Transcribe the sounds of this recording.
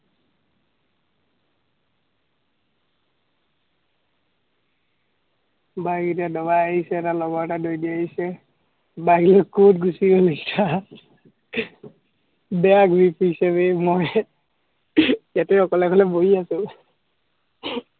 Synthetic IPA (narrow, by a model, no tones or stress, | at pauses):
baɡetadɔbaaɦisɛːtalɔɡɔɹtadojdiaɦisɛ | baɡlokkutɡusiboleki̥sʰa | bɛaɡɹipʰuisɛbemoj | jatɛɔkɔlɛkɔlɛbojiasʊ̃